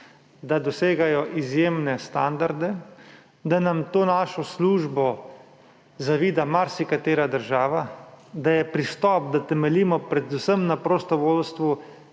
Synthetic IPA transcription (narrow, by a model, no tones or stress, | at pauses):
d̪ad̪ɔseːɡajɔʔizjeːmnɛst̪and̪aɾd̪ɛ | d̪anamt̪oːnaːʃɔsluːʒbɔ | zaʋiːd̪amaɾsikat̪eːɾad̪əɾʒaːʋad̪ajɛpɾist̪ɔp̚d̪at̪ɛmɛliːmɔpɾɛd̪usəmnapɾɔst̪ɔʋoːlst̪ʋu